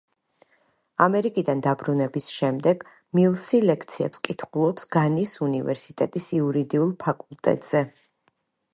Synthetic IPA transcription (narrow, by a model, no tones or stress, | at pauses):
amɛɾikʼid̪and̪abɾunɛbisʃɛmd̪ɛɡ̥ | milˠsilɛkʰt̪sʰiɛ̰pskʼit̪ʰχulˠɔpsɡ̥anisunivɛ̰ɾsit̪ʼɛt̪ʼisiuɾid̪iulˠpʰakʼulˠt̪ʼɛ̰t̪ʼz̥ɛ